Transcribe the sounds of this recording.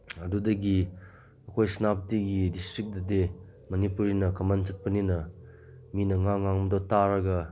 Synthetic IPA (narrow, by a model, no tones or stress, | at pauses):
ɐdudɐɡi | ɐkʰojsnap̚tiɡidistɾik̚dɐde | mɐnipuɾinɐkɐmant͡ʃɐt̚pɐninɐ | minɐŋaŋːaŋmdotaɾɐɡɐ